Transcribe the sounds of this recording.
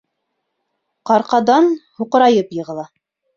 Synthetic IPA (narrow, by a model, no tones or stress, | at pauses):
qɑɾqɑd̪ɑnhuqɤ̆ɾɑjɤpjɤ̆ʁɤ̆lˠɑ